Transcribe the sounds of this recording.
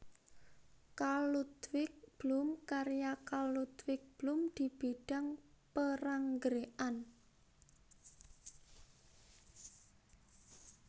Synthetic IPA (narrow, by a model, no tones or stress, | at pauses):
kalut̪wɪk̚b̥lumkaɾjakalut̪wɪk̚b̥lumd̪̥i̤b̥iɖ̥a̤ŋpəraŋɡɾeʔan